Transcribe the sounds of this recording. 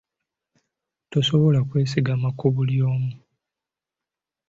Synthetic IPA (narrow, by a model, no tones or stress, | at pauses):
to̞so̞βo̞lakwe̞ːs̬iɡamakʰoβuljo̞ːmu